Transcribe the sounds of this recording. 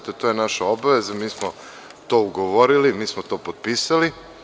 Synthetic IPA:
t̪et̪oːjenaʃao̞baʋe̞zamiːsmo | t̪o̞ːuɡoʋo̞ɾilimiːsmot̪o̞ːpod̪̚piːsali

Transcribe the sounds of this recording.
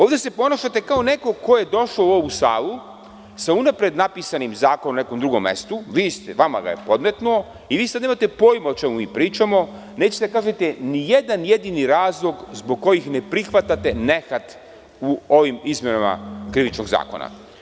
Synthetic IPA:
oːʋd̪ese̞po̞naʃat̪e̞kao̞ne̞ko̞ko̞je̞d̪o̞ʃlouo̞ʋusa̰ːlu | saunapɾe̞d̪napisanimzaːkonomne̞ko̞md̪ɾuɡo̞̰mːḛst̪uʋiːst̪eʋama̰ɡa̰jepo̞d̪met̪nuo̞ | iʋiːsad̪imat̪e̞po̞ːjmao̞t͡ʃe̞mumiːpɾiːt͡ʃamo̞ | neːt͡ɕet̪akaːʒe̞t̪e̞nije̞d̪anje̞d̪iniɾaːzlˠo̞ɡzbo̞ɡ̚kːo̞jixne̞pɾixʋat̪at̪e̞ne̞xat̪ | uo̞ʋimizmjenama̰kɾiʋit͡ʃno̞ɡza̰ːko̞̰na̰

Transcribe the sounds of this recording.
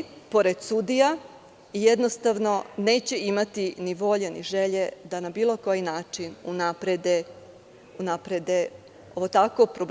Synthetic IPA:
po̞ɾe̞d̪̥sud̪ija | ijed̪nost̪aʋno̞ne̞ːt͡ɕe̞imat̪iniʋo̞ʎenḭʒe̞ʎe̞d̪anabiːlˠo̞ko̞jinaːt͡ʃinunapɾed̪e | unapɾed̪e | oʋot̪ako̞pɾob

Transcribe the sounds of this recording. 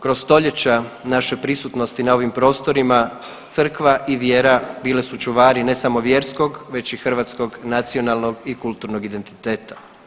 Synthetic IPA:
kɾo̞st̪o̞ʎet͡ɕa | naʃepɾisut̪no̞st̪inao̞ʋimpɾo̞ːst̪o̞ɾima | t̪sr̩kʋaʔiʋje̞ːɾabiːlesut͡ʃuʋaːɾine̞samo̞ʋje̞ɾsko̞ɡʋe̞t͡ɕixr̩ʋaːt̪sko̞ɡnat̪sio̞nalˠno̞ɡikulˠt̪uɾnoɡid̪e̞nt̪i̥t̪e̞ːt̪ḁ

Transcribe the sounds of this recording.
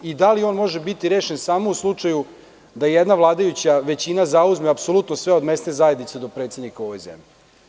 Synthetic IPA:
id̪alio̞ːnmo̞ʒebit̪iɾe̞ːʃensaːmouslˠut͡ʂaju | d̪ajed̪naʋlˠaːd̪ajut͡ɕaʋe̞t͡ɕinazauzmeapsolut̪nosʋeo̞d̪mest̪nezajed̪nit̪sed̪o̞pɾet̪sed̪nikaoʋo̞jzḛmʎi

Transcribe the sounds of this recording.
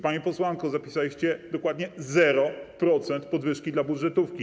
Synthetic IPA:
paɲɛpɔswankɔzapʲi̥salʲiɕt͡ɕɛd̪ɔkwad̪ɲɛzɛɾɔpɾɔt̪sɛnt̪pɔd̪vɘʂkʲid̪labud̪ʐɛt̪ufkʲi

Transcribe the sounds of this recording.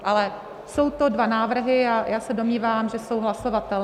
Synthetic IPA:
ʔalɛ | so̞wt̪o̞dvanaːvr̩ɦɪjajʔaːsɛdo̞mɲiːvaːmʒɛso̞wɦlaso̞vat̪ɛl

